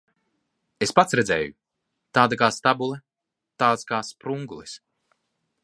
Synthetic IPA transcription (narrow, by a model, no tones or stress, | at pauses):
espat̪sɾɛd̪zɛ̰ːju | t̪aːd̪akaːst̪abulˠɛ | t̪aːt̪skaːspɾuŋɡulˠis